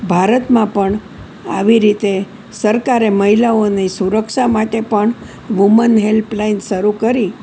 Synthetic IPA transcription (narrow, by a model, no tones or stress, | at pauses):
bʱaɾət̪mãpəɳ | a̰ʋiɾit̪e | səɾkaɾeməɦilaonesuɾəkʃamaʈepəɳ | ʋumənɦelplainʃəɾukəɾi